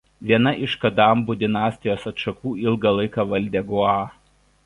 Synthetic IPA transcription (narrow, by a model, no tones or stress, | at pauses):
ʋʲiɛnɐʔɪʃkɐd̪ɑːmbʊd̪ʲɪnɑːsʲt̪ʲɪjoːsɐt̪ʃɐkuːɪlˠɡɑlˠɐɪkɑːʋɐlʲˑd̪ʲɛːɡʊɑː